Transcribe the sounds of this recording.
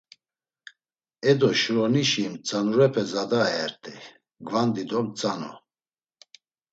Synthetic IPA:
ɛd̪ɔʃɾɔniʃimt͡sʼanuɾɛpʰɛzad̪aɛɾt̪ʼɛ | ɡvand̪id̪ɔmt͡sʼanɔ̰

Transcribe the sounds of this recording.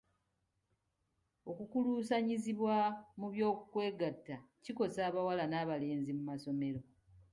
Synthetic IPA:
o̞kukuluːsaɲiziβwamuβjo̞ːkukwe̞ːɡatːaciko̞saːβawalanaːβale̞ːnzimumaso̞me̞ɾo̞

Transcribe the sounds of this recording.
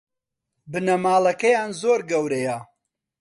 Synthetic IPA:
bɨnɐmaːlˠɐkɐjaːnzoːɾɡɐwɾɐjɐ

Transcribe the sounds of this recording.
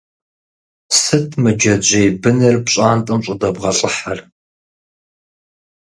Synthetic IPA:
sɨtʰmɨd͡ʒɐd͡ʒʷejbɨnɐrpɕʼaːntʼɐmɕʼɨdɐbʁɐɬʼəħar

